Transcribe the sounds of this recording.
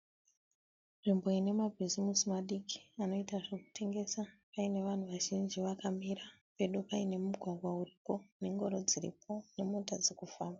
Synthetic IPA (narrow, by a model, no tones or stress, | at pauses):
ʐ̥imbo̞ine̞mabʱizimisimaɗiki̥ano̞itaʐeku̥tʰe̞ŋɡe̞sapaine̞ʋan̤uʋaʒind͡ʒiʋakamiɾape̞ɗupaine̞muɡʱwaɡʱwauripo̞ne̞ŋɡo̞ɾo̞d͡ziɾḭpo̞ne̞motad͡zekufaːmba